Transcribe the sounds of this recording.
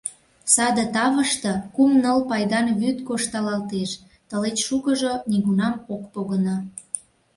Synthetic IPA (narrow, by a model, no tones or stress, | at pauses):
sɑd̪ət̪ɑβəʃt̪ɤ̆kumnəlpɑjd̪ɑnβyt̪koʃt̪ɑlɑlt̪eʃ | t̪əlet͡ɕʃukəʒoniɣunɑmokpoɣənɑ